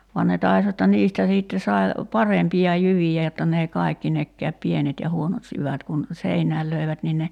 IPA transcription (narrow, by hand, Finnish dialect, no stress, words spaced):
ʋuɑn ne tɑis jotːɑ niːstæ siːtːe sɑi̞ pɑrempiɑ jyʋijæ jotːɑ n eˑi kɑˑikːi nekːæːp pienet jɑ huonot jyʋæt kun seinæːl løi̞ʋæt nin ne